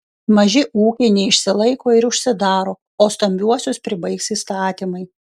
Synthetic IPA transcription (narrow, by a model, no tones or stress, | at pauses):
mɐʒʲɪʔuːkʲɛɪnʲɛɪʃʲsʲɪlˠɐɪkoːɪɾʊʃʲsʲɪd̪ɑːɾoː | oːst̪ɐmʲbʲuɔsʲʊspʲɾʲɪbɐɪksiːst̪ɑːt̪ʲiːmɐɪ